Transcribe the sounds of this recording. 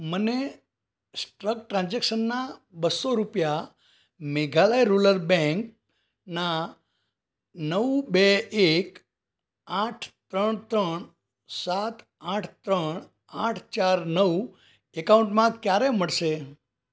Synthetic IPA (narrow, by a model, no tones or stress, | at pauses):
məne | sʈɾək̚ʈɾãnd͡ʒekʃənːabəsːoɾupja | meɡʱalajɾuləɾbɛ̃ŋk | na | nəʋbeek | aʈʰt̪ɾəɳt̪ɾəɳ | sat̪ | aʈʰt̪ɾəɳ | aʈʰt͡ʃaɾnəʋ | ekaũɳʈmãkjaɾeməɭʃe